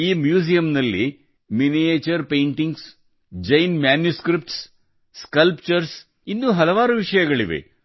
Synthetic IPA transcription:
iːmjuːsijɐmnɐlːi | minijeːt͡ʃɐɾpejɳʈiŋɡs | d͡ʒɐjnmjaːnjuskɾip̚ʈsː | kɐlpt͡ʃɐɾs | inːuɦɐlɐʋaːɾuʋiʂɐjɐɡɐɭiʋe̞̰

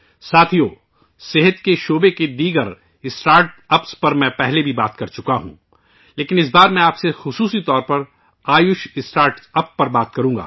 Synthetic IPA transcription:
saːt̪ʰijoː | seɦət̪keʃoːbeked̪iːɡəɾ | ɪsʈaːɾʈɐpspɐɾmɛ̃pɛɦlebʱibaːt̪kɐɾt͡ʃʊkaɦṵ̃ː | leːkɪnɪs̬baːɾmɛ̃aːpsexʊsuːsit̪ɔːɾpɐɾ | aːjʊʃɪsʈaːɾʈɐpːɐɾbaːt̪kɐɾũːɡa̰ː

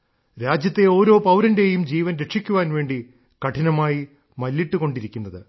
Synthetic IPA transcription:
ɾaːd͡ʑjɐt̪ːe̞o̞ːɾo̞ːpɐwɾɐnde̞jumd͡ʑiːʋɐnɾe̞ʂikʲːuʋaːnʋe̞ːɳɖi | kɐʈʰinɐmaːji | mɐlːiʈːuko̞ɳɖiɾikʲːunːɐðɨ

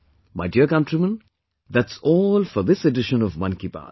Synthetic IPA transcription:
mʔaɪɖiəkʌ̃ntɾimə̃n | d̪ætsɔːlfɔd̪ɪseɖɪʃə̃nɔvmʌ̃nkipa̰ː

